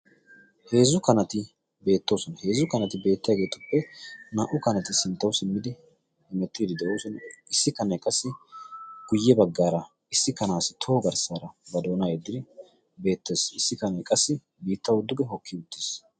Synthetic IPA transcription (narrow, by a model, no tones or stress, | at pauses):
he̞ːzʊkɐnɐt̪ɪ | be̞ːt̪ːo̞ːsɔnɐhe̞ːzʊkɐnɐt̪ɪbe̞ːt̪ːɪjaːɡe̞ːt̪ʊpːɛnaːʔʊkɐnɐt̪ɪsɪnt̪ːɐwʊsɪmːɪd̪ɪ | hɪmɛt̪ːiːd̪ɪd̪ɛʔoːsɔnɪsːɪkɐnɐkʼɐsːɪ | ɡ̥ʊjːɛbɐɡːaːɾɐ | ɪsːɪkɐnaːsɪt̪ʰo̞ːɡɐɾsaːɾɐbɐd̪o̞ːnajɛd̪ːɪd̪ɪ | be̞ːt̪ːe̞ːsɪsːɪkɐnɐkʼɐsːɪ | biːt̪ːɐwʊd̪ːʊɡɛɦɔkːɪʊt̪ːes